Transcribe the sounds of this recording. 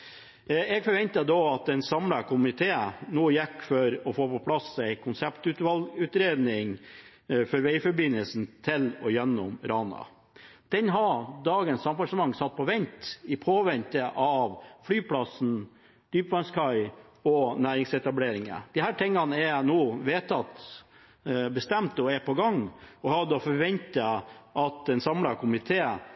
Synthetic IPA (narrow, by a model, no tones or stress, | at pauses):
ɛɡfɔɾʋɛnt̪əd̪oɑt̪̚d̪ɛnsɑmlɑkʰʊmɪt̪ʰeːnuːjɛkːfɔɾɔfoːpɔpʰlɑsæɪkʰʊnsæpt̪ʉt̪ʋɑlʉːt̪ɾeːd̪nɪŋ | fɔɾʋɛɪfɔɾbɪnːəlsn̩t̪ʰɪlɔjɛnːɔmɾɑːnɑ̰ | d̪̥ɛnɦɑd̪ɑːɡənsɑmbɑʂəmɑŋːsɑt̪̚ːpʰɔʋɛnt̪ɪpʰoːʋɛnt̪əʔɑʋflyːpʰlɑsn̩ | d̪̥yːpʋɑnskʰɑɪ | ɔnæːɾɪŋsɛt̪ɑbleːɾɪŋə̰d̪̥ɪhæːʈʰɛŋːɑnəɛnuːʋeːt̪ʰɑt̪ | bəst̪ɛmt̪ɔɛpʰɔɡɑŋɔhɑd̪ɔfɔɾʋɛnt̪ɑʔɑt̪ɛnsɑmlɑkʰʊmɪt̪ʰeː